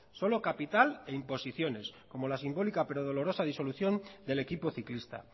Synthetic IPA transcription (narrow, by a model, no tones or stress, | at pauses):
so̞lo̞kapit̪ale̞impo̞siθjo̞ne̞sko̞mo̞lasimbo̞likape̞ɾo̞ð̞o̞lo̞ɾosað̞iso̞luθjo̞nd̪e̞le̞kipo̞θiklist̪a̰